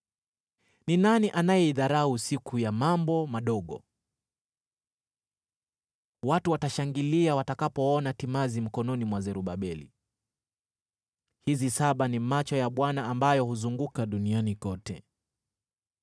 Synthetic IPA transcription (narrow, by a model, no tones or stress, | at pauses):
ninaniʔanajɛiðaɾausikujamambɔmaɗɔɠɔ̰ | watuwataʃaŋɡiliawatakapɔɔnatimazim̩kɔnɔnimwazɛɾuɓaɓɛlḭ | hizisaɓanimat͡ʃɔjaɓwanaːmbajɔhuzuŋɡukaɗunianikɔtɛ̰